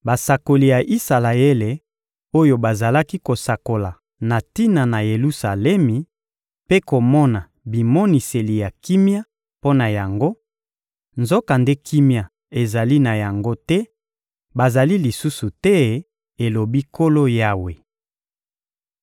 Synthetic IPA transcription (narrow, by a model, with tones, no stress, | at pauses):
ba˨sa˨ko˨li˨ja˨ʔi˦sa˨la˨e˦le˨ | o˦jo˨ba˨za˨la˦ki˦ko˨sa˨ko˨la˨ | na˨ti˦na˨na˨je˨lu˦sa˨lɛ˦mi˨ | pe˦ko˨mɔ˦na˨ | bi˨mɔ˦ni˨se˨li˨ja˨ki˦mja˦ | po˦na˨ja˨ŋɡo˦ | nzo˦ka˨nde˦kʰi˦mja˨ | e˨za˨li˦na˨ja˨ŋɡo˦tɛ˦ | ba˨za˨li˦li˨su˦su˨tɛ˦ | e˨lo˨bi˦ko˦lo˦ja˦we˨